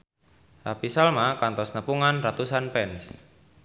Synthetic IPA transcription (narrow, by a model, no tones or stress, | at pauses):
rapisalmakant̪ɔsnəpuŋanrat̪usanpɛns